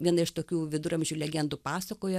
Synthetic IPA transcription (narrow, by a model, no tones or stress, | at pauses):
ʋʲiɛnɐɪʃt̪oːkʲuːʋʲɪd̪ʊɾɐmʲʒʲuːlʲɛɡʲɛnd̪upɑːsɐkoːjɛ